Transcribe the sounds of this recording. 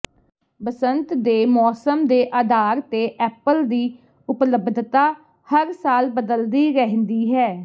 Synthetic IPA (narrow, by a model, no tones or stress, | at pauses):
bəsənt̪d̪eːmɔːsəmd̪eːʔaːd̪aːɾt̪eːʔɛːpəld̪iː | ʊpləbd̪ʱt̪aː | həɾsaːlbəd̪əld̪iːɾɛɦnd̪iːɦɛː